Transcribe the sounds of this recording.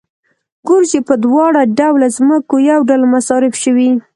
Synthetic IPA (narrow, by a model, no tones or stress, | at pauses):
ɡoɾd͡ʒepəd̪wɑɽaɖawlazməkojawɖalmasɑɾɪfʃəwi